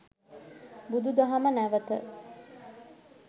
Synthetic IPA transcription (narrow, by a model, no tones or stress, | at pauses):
bud̪ud̪aɦɐmənæʋət̪ə̰